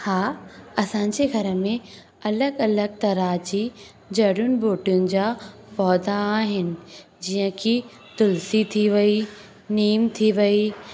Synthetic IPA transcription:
haːɐsãːɲd͡ʑeɡʱɐɾə̆mẽ | ɐləɡɐləɡ̚t̪ɐɾaːd͡ʑi | d͡ʑɐɽʊnɪ̆boːʈijʊnɪ̆d͡ʑaː | pɔːd̪aːɦɪnɪ̆ | d͡ʑiːɦə̃kʰi | t̪ʊlsit̪ʰiʋɐi | niːmt̪ʰiʋɐi

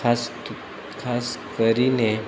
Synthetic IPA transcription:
ast̪ | kʰaskəɾine

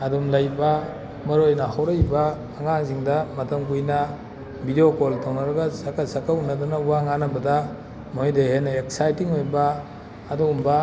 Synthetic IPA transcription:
ɐdumlajbɐ | mɐɾojnɐhawɾɐjbɐː | ŋaŋziŋdɐmɐtʰɐmkujnɐ | bideokoltʰownɐɾɐɡɐsɐkɐsɐkaunːɐdunɐuwaŋanɐbɐdɐ | mojdehenɐek̚sajtiŋojbɐː | duumbɐ

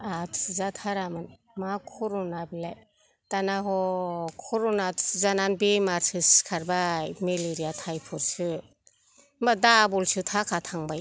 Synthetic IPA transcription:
atʰɯzatʰaɾamɯn | makʰɔɾɔnabilaj | tanaɦɔkʰɔɾɔnatʰɯzananbemaɾtʰɯskʰaɾbameleɾijatʰajpʰɔɾsɯ | madabɔlsɯtʰakʰatʰaŋbaj

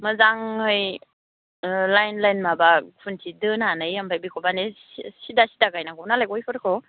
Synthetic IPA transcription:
mazaŋɯj | lajnlajnmabakʰuntʰidɯnanajampʰajbikʰɔbane | sidasidaɡajnakʰɔnalakɔjpʰɯɾkʰɔ

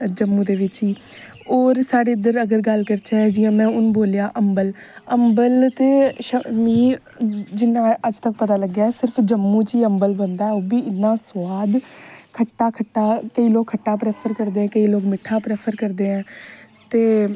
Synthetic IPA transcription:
d͡ʒəmːũːd̪eːʋɪt͡ʃiː | oːɾsaːɽeːɪd̪əɾəɡəɾɡəlkəɾt͡ʃʰɛːd͡ʒɪjãːmɛ̃ːʊñboːljaːʔəmbəl | əmbəlt̪eːʃəmiː | d͡ʒɪnːãːəd͡ʒt̪ək̚pət̪aːləɡjaːɛːsɪɾpʰd͡ʒəmːũːt͡ʃiːəmbəlbənd̪aːɛoːbiːɪnːãːswaːd̪kʰəʈːaːkʰəʈːaːkəiːloːkʰːəʈːaːpɾɛːpʰəɾkəɾd̪eːɛ̃ːkəiːloːkmɪʈʰːaːpɾɛːpʰəɾkəɾd̪eːɛ̃ː | t̪eː

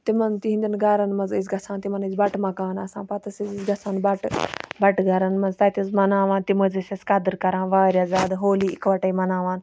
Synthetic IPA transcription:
t̪imɐnt̪iɦĩnd̪ʲinɡaɾɐnmɐnzizɡɐsãːnt̪imɐnizbɐʈmɐkaːnɐsãːpɐt̪ɐszizɡɐsaːnbɐʈbɐʈɡɐɾɐnmɐnzt̪ɐt̪ʲizmɐnaːʋaːnt̪imɐzɐsʲɐskɐd̪ɨɾkɐɾãːnʋaːɾʲjaːzʲaːd̪ɦoːliːikʋɐʈɐimɐnaːʋaːn

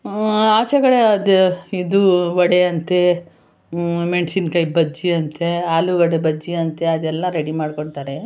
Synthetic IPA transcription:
aːt͡ʃɐɡɐɽeɐd̪id̪uʋɔɽeɐnt̪e | meɳsinkɐjbɐd͡ʒiɐnt̪ʰeaːluɡɐɽebɐd͡ʒiɐnt̪eɐd̪ɛlːɐɾeɽimaːɖkoɳt̪aːɾe

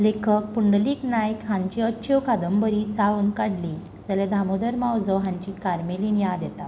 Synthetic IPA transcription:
lekʰək̚puɳɖliːknajkɦãɲt͡ɕiəːɕʰeʋkʰad̪əmbəɾiːt͡saʋunkaɽli | d͡zəlɛd̪ʱamod̪əɾmawd͡zəɦãɲt͡ɕiːkaɾmelinjad̪jɛt̪a

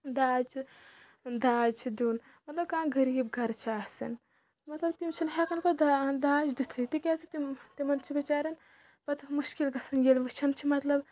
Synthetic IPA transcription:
d̪aːd͡ʒt͡ʃʰi | d̪aːd͡ʒt͡ʃʰid̪uːn | mɐt̪lɐb̚kaːɡɐɾiːb̚ɡʱɐɾt͡ʃʰaːsɐ̰n | mɐt̪lɐbt̪imt͡ʃʰɐnɦekɐnkod̪ad̪aːd͡ʒd̪it̪ʰɐit̪ikɛsit̪it̪imɐnt͡ʃʰibit͡ʃaːɾɐn | pɐt̪muʃkilɡɐsɐnɡelʋɨt͡ʃʰɐnt͡ʃʰimɐt̪lɐb

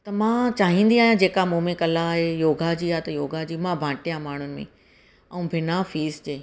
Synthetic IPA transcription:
t̪ɐmãːt͡ɕaːɦĩːnd̪iaːɦjãd͡ʑeːkamũːmẽkɐlaaːɦejoːɡʱad͡ʑiːaːt̪ɐjoːɡad͡ʑiːmãbʱãːʈijãmaːɳ̤ʊnɪ̆mḛ̃ | ɐũbʱɪnafiːsd͡ʑeː

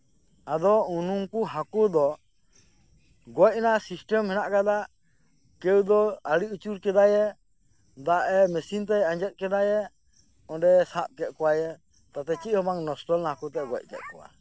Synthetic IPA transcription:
ad̪ɔunuŋkuɦakud̪ɔ | ɡɔc̚nasisʈɛmhɛnaʔkad̪aʔ | kɛwd̪ɔaɽiut͡ʃuɾkɛd̪ajɛ | d̪aʔɛmɛsint̪ɛjãɲd͡ʒɛt̪̚kɛd̪ajɛ | ɔ̃ɖɛsãp̚kɛt̪̚ˀkɔwajɛ | t̪at̪ɛt͡ʃiʔ̚hɔbaŋnɔsʈɔlnahakut̪ɛɡɔc̚kɛ̰t̪̚kɔwa̰

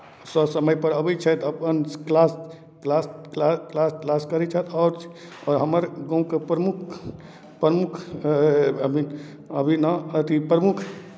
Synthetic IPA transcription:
səsəməjpəɾəbət͡ʃʰɛt̪əpənklas | klasklaklasklaskəɾɛt͡ʃʰɛt̪ʰɔːɾt͡ʃʰ | ɔːɾɦəməɾɡɔ̃w̃kepɾəmukʰ | pəmukʰ | əbʱin | əbʱinaət̪ipɾəmukʰ

